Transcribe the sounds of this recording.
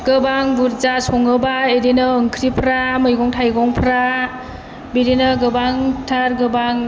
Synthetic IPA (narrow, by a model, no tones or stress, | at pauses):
ɡ̥ɯbaŋbuɾzasɔŋɯbaedinɯːŋkʰɾipʰɾamɯjɡɔŋtʰajɡɔŋpʰɾa | biɾinɯɡɯbaŋtʰaɾɡɯbaŋ